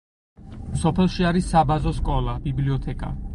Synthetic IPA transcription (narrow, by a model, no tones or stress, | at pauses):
sɔpʰɛlˠʃiaɾisːabazɔskʼɔlˠabibliɔt̪ʰɛkʼa̰